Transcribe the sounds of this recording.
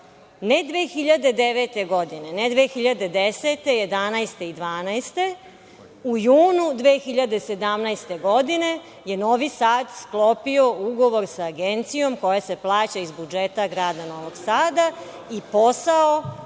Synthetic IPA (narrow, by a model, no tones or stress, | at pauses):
ned̪ʋeːxiʎad̪e̞d̪eʋet̪e̞ɡo̞d̪ine̞ned̪ʋeːxiʎad̪e̞d̪eset̪e̞jed̪anajst̪e̞id̪ʋaːnajst̪e̞ | ujuːnud̪ʋeːxiʎad̪e̞sed̪amnajst̪e̞ɡo̞d̪ine̞ | jeno̞ːʋisaːd̪sklˠo̞pio̞uɡo̞ʋo̞ɾsaːɡent̪sijo̞mko̞jaseplˠaːt͡ɕaizbud͡ʒet̪aɡɾaːd̪ano̞ʋo̞ɡsaːd̪a | ipo̞sao